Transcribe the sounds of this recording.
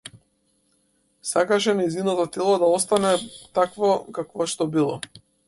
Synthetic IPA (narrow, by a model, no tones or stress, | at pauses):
sakaʃɛnajzinat̪ɔt̪ɛlˠɔd̪aɔst̪anɛt̪akvɔkakvɔʃt̪ɔbilˠɔ̰